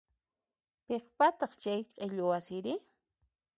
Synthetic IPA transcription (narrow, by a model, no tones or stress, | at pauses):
peχpat̪ɑχt͡ʃajqʼeʎʊwasɪɾɪ